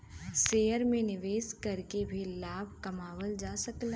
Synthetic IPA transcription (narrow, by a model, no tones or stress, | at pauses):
seːəɾmẽnɪʋeːskɐɾkebʱilaːbʱkɐmaːwəld͡ʒaːsɐklẽ